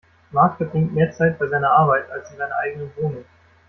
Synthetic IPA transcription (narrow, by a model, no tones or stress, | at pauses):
maːkfədʁɪŋtmeːɐt͡saɪt̚b̥aɪzaɪnɐʔaɐbaɪtalsizaɪnɐʔaɪɡənənvoːnʊŋ